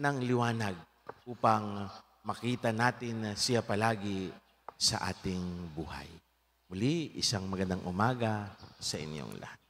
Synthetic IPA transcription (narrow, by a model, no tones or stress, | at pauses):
nɐŋlɪwaːnɐɡ̚ | ʔuːpɐŋ | mɐkiːt̪ɐnaːt̪ɪnsɪjapɐlaːɡɪ | sɐ̰ʔa̰ːt̪ɪŋbṵːha̰j | mʊliʔɪsaŋmɐɡɐnd̪aŋʔʊmaːɡɐsɐʔɪ̰njo̰ŋlɐ̰hat̪̚